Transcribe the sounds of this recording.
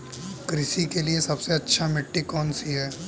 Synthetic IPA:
kɾɪsikeliesɐbseɐtːʃʰamɪʈːikɔːnsiɦɛː

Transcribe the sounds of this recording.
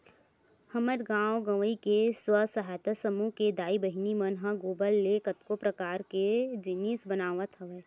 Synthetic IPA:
hɐməɾɡãːwɡəʋəikeswəsɐɦaːt̪əsəmuked̪aːibəɦinimənɦãɡoːbəlːekət̪kopɾɐkaːɾked͡ʒɪnisbənaːʋət̪ɦəʋeː

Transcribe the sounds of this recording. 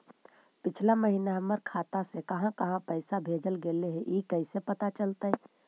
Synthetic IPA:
pɪt͡ʃʰlaməɦinaɦəməɾkʰaːt̪asekəɦãkəɦãpəɪsabʱeːd͡ʒəlɡeleɦeʔikəɪsepət̪at͡ʃəlt̪aɦɛ

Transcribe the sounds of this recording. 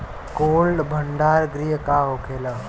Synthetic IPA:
koːlɖbʱəɳɖaːɾɡɾiɦəkaːɦoːkʰeːlə

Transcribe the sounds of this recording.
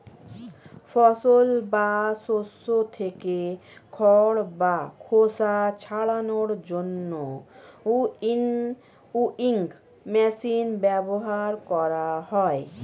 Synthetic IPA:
fʰɔsolbasosːot̪ʰekekʰɔɽbakʰosat͡ɕʰaɭanoɾd͡ʑonːo | uiŋɡ | mɛsinbɛboɦaɾkɔɾaɦɔe

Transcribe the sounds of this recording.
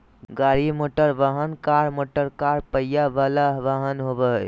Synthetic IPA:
ɡaɾimoʈəɾʋaɦənkaɾmoʈəɾkaɾpəjjaʋalaɦʋaɦənɦobə

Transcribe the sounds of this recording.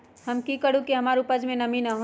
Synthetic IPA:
hɐmkikəɽukiɦɐmaːɾupəd͡ʒmẽnɐminaɦõ

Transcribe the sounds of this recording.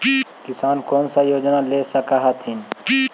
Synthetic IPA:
kɪsaːnkoːnsajoːd͡ʒnaleːsɐkaɦat̪ʰɪn

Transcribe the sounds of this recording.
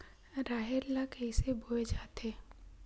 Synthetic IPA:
ɾaːɦeɾlakəisebʱoed͡ʒaːt̪eː

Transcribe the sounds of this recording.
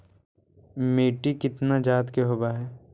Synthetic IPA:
meːʈikɪt̪nad͡ʒaːt̪keɦoːbaɦɛː

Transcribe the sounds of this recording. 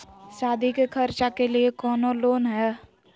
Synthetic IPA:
saːd̪ʱikekʰəɾt͡ʃakeliekɔːnoloːnɦɛː

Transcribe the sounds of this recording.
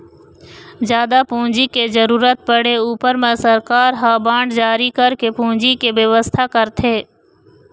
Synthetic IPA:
d͡ʒjaːd̪apũːd͡ʒiked͡ʒəɾuːɾət̪̚pəɽ̤euːpəɾmẽsəɾkaːɾɦaːbãːɳɖd͡ʒaːɾikəɾkepũːd͡ʒikebəʋəst̪ʰakəɾt̪ʰeː

